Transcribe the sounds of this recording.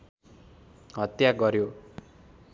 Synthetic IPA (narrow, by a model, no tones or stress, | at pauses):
ɦʌt̪jaɡʌɾjo